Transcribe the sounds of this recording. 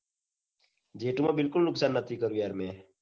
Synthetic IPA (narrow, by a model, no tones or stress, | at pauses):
d͡ʒeːʈumãːbɪlkʊlnʊksaːnːət̪ʰiːkəɾuːɛːɾmẽː